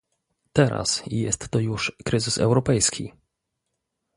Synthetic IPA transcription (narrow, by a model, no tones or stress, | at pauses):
t̪ɛɾa̰sijɛst̪ːɔjuʂkɾɘzɘsɛ̰wɾɔpɛjskʲʰḭ